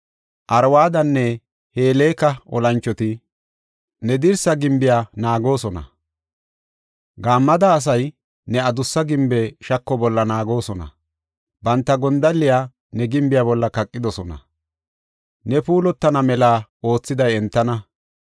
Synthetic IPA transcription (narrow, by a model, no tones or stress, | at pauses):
ʔɐɾwaːd̪ɐnːɛ | heːleːkɐʔɔ̰lɐnt͡ʃːɔt̪ɪ | nɛd̪ɪɾsɐɡɪmbɪjaːnaːɡo̞ːsɔnɐ̰ | ɡaːmːɐd̪ɐːs̬ɐj | nɛɐd̪ʊsːɐɡɪmbɛʃɐkːɔbɔlːɐnaːɡo̞ːsɔnɐ̰ | bɐnt̪ːɐɡɔnd̪ɐlːɪjaː | nɛɡɪmbɪjaːbɔlːɐkɐkʼːɪd̪ɔsɔnɐ̰ | nɛpuːlɔt̪ːɐnɐmɛlaːo̞ːt͡sːɪd̪ɐjɛnt̪ːɐnɐ